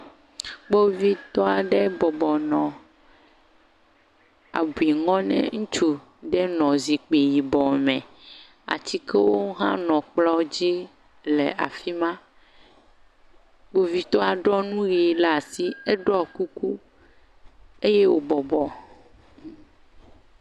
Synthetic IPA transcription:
k͡po˦vi˦t̪ɔ˦a˨ɖɛ˦bɔ˨bɔ˨nɔ̃˨ | a̰˨bu˨i˨ŋɔ̃˦nɛ̰̃˦ŋũ˦t͡ʃu˨ | ɖɛ˦nɔ̃˨zi˨k͡pe˨ji˨bɔ˨mɛ̃˨ | a̰˨t͡ɕi˦ke˦wo˦ɦã̰˦nɔ̃˨k͡plɔ˦d͡ʑi˦ | lɛ˨a̰˨fi˦mã˦ | k͡po˦vi˦t̪ɔ˦a˨ɖɔ˦nũ˦ɣi˨˦˨lɛ˨a˨si˦e˦ɖɔ˦˨ku˦ku˦ | e˦je˦wo˦bɔ˨bɔ˨

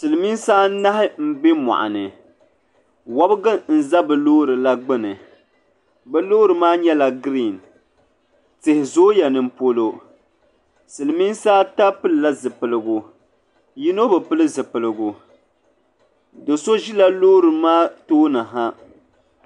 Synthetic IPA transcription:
sɨ˨lɨ˨mi˦nsaː˦na˦hɪ˦m̩˦be˦mɔ̰˨ʔa̰˨nɨ˨ | wɔ˦bɡɨ˦n̩˨za˦bɨ˨loː˦ɾɨ˨la˦ɡ͡bɨ˦nɨ˨ | bɛ˦loː˦ɾɨ˨maː˦ɲɛ˦la˨ɡɾi˦˨n | tɪ˨hɪ˨zoː˦ja˨nɨ˨m̩˦po˦lo˦ | sɨ˨lɨ˨mi˦nsaː˦ta˦pɨ˦lɨ˨la˦zɨ˨pɨ˨lɨ˨ɡu˨ | ji˦no˦bɨ˨pɨ˦lɨ˦zɨ˨pɨ˨lɨ˨ɡu˨ | dɨ˨so˦ʒi˦la˦loː˦ɾɨ˨maː˦toː˦na˨ɦa˦

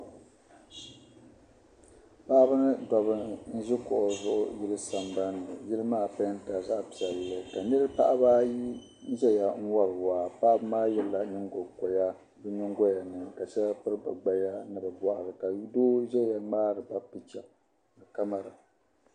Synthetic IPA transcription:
pa˦bɨ˦nɨ˦dɔ˨βɨ˦n̩˦ʒɪ˦kʊ˨ʔʊ˨zʊ˦ʔʊ̰˦ji˦lɨ˦sa˨mba˦nːɨ˨jɪ˦lɨ˦maː˦˨pa˦n˦ta˨za˦ʔa˦pi˨ɛ˨llɨ˨ka˨nɨ˦ɾɨ˦pa̰˦ʔa˦ba˦ | ʒɛ˦ja˨ŋ̩˦wa˦lwaː˨pa˦ʔbɨ˦maː˦jɛ˨la˨nɨ˦ŋɡo˨kɔ˨ja˦ | bɨ˦nʊ˦ŋɡo˦ja˨nɨ˨ka˨ʃɛ˦la˦pɨ˦ɾɨ˦ba˨ɡ͡ba˦ja˦nɨ˦˨bɨ˨bɔ˨ʔa˨ɾɨ˨ka˨˦doː˦ʒɛ˦ja˦ŋ͡maː˦ɾɨ˨ba˦pɨ˨t͡ʃa˨ | ɨ˨ka˦ma˦ɾa˨

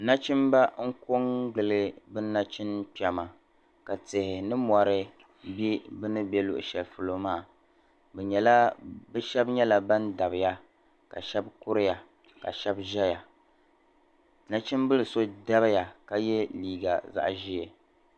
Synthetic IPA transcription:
na˦t͡ʃi˦mba˦ŋ̩˦ko˦ŋɡɨ˨lɨ˦bɨ˦na˦t͡ʃɪ˦npi˨ɛ˨ma˨ | ka˨tɪ˨hɪ˨nɨ˦mɔ˨ɾɨ˦ | bi˦bɨ˦nɨ˦bɛ˦lʊ̰˨ʔʊ̰˨ʃɛ˨lfu˨lo˨maː˦˨ | bɛ˨ɲɛ˨la˦bɛ˦ʃɛ˦bɲɛ˦la˨ba˦nda˨bɨ˨ja˦ | ka̰˨ʃɛ˦bkʊ˦ɾɨ˦ja˨ | ka̰˨ʃɛ˦bʒɛ˦ja˨ | na˦t͡ʃi˦nbɨ˦lɨ˨so˦da˦bja˨ka˦jɛ˦liː˨ɡa̰˨za̰˦ʔʒi˦ɛ˨

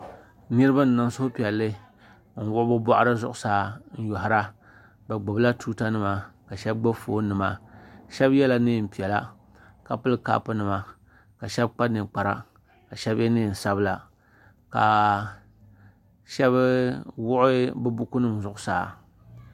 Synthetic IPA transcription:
nɨ˦ɾɨ˦ba˦n̩˨na˨n˦sʊ˦hʊ˦pi˨ɛ˨lːɨ˦ | ŋ̩˨wʊ˦ʔbɨ˦ba̰˦ʔa˦ɾɨ˦zʊ˦ʔʊ˦saː˨˦n̩˦jɔ˨ɦa˨ɾa˦ | ba˨ɡ͡bʊ˨bla˦tuː˦ta˦nɨ˨ma˨ka˨ʃɛ˦b̚ɡ͡ba˦bfoː˦nɨ˨ma˦ʃɛ˦bjɛ˦la˦nɨ˦˨m̩˨pi˨ɛ˨la˦ | ka˨pɨ˦lɨ˦ka̰ː˦pɨ˦nɨ˨ma˨ | ka˨ʃɛ˦b̚k͡pa˦nɨ˨k͡pa˨ɾa̰˦ | ka˨ʃɛ˦bɛ˦nɨː˦˨n̩˨sa˦bɨ˦la˨ | ka˨ | ʃɛ˦bwʊ˦ʔʊ˦bɨ˦bʊ˦ku˦nɨ˦m˨zʊ˦˨ʔʊ˦saː˨

